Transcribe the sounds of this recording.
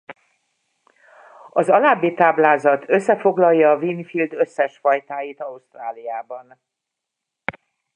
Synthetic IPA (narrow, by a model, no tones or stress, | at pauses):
ɒzɒlaːbːit̪aːblaːzɒt̪ʰø̞sːɛfo̞ɡlɒjjːɒːviːnifild̪ø̞sːɛʃfɒjt̪aːjit̪ɒust̪raːlijaːbɒn